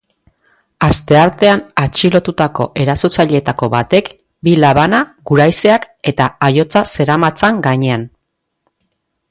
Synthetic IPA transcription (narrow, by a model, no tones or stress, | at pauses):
ast̪e̞aɾt̪e̞anat͡ʃilo̞t̪ut̪ako̞ʔe̞ɾaso̞t͡saʎe̞t̪ako̞βat̪e̞k | bilaβanaɡuɾajse̞ak | e̞t̪aːjo̞t͡sase̞ɾamat͡saŋɡaɲe̞an